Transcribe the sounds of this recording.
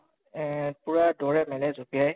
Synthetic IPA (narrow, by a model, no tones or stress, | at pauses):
puɹadɔɹɛmɛnɛzopiaj